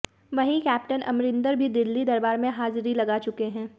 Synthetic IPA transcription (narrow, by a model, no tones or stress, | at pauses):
ʋɐɦĩkɛːpʈənɐ̰mɾɪ̃nd̪əɾbʱid̪ɪlːid̪ɐɾbaːɾmẽɦaːzɾilɐɡat͡ʃʊkeɦɛ̃ː